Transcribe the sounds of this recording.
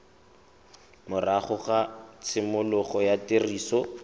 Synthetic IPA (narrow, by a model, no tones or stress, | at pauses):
mʊraχʊχat͡sʰɪmʊlʊχɔjateriːsɔ